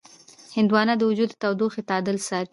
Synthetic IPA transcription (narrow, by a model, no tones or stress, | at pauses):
hɪnd̪wɑnad̪əwʊd͡ʒud̪ət̪awd̪uxet̪ɑd̪əlsɑɾ